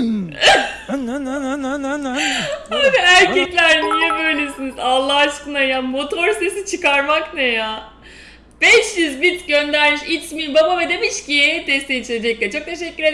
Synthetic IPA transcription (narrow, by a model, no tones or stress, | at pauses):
abiæɾcʰɛclʲæɾnijɛbøjlʲysinizalˠːaat͡ʃkɯnajamo̞t̪ʰo̞ɾse̞sit͡ʃʰɯkaɾmaknɛja | b̥ɛʃjyzbit̪ɟønd̪æɾmiʃit͡ʃsmibabavɛd̪ebiʃcied̪ɛst̪ʰɛt͡ʃʰied͡ʒɛc̚lʲæt͡ʃʰo̞k̚t̪ʰeʃɛcːyɾe